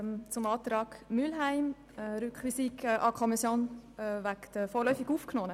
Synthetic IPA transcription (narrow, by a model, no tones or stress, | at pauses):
t͡sʊmɑːt̪ɾɑːkmylɦæɪm | ɾʏkχʋisikːʔɑkʰɔmisjoːnvækt̪əfoːlœʏfiɡuːfknoːnə